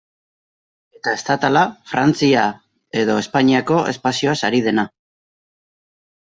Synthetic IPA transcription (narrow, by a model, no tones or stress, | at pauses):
e̞t̪ae̞st̪at̪alafɾant͡sia | e̞ðo̞e̞spaɲiako̞ʔe̞̰spasio̞asaɾið̞e̞na